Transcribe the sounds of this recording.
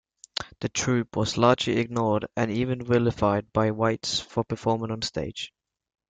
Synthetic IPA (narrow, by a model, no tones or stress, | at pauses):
ðɨtʰɹ̥ʉpʰwʌzlɑːd͡ʒliɪɡ̚nɔːɾɨ̃niːvɨ̃nɹɪlɪfaɪd̚baɪwaɪtsfəpʰəfɔːmɪ̃ŋə̃n̩steɪd̥ʒ̥